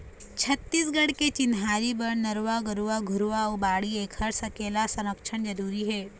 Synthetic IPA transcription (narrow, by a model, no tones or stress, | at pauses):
t͡ɕʰət̪ːiːs̬ɡəɽket͡ɕinɦaɾiːbəɾnəɾʋaɡəɾuʋaɡʱuɾuʋawbaɽiːekʰəɾsəkelasəɾəkʂəɳd͡ʒəɾuːɾiːɦe